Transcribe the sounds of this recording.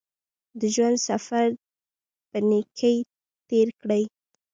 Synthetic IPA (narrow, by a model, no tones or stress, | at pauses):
d̪əʒwand̪safaɾ | pənekʰəj | t̪eɾkɽəj